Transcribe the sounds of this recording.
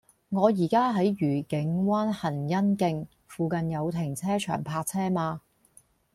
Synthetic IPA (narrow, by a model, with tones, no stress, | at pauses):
ŋɔː˨˧jiː˨˩kaː˥ɦɐ˨˥jjyː˨˩kɪ˨˥ŋwaː˥nhɐ˨˩njɐ˥nkɪ˧ŋ | fuː˨˧kɐ˨njɐ˨˧wt̪ʰɪ˨˩ŋt͡sʰɛː˥t͡ʃʰœ̰ː˨˩ŋpʰaː˧k̚t͡sʰɛː˥maː˧